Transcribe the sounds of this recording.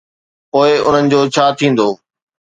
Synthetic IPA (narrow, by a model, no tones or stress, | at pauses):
poːɪʊn̤ənɪ̆d͡ʑoːt͡ɕʰaːt̪ʰĩːn̆d̪oː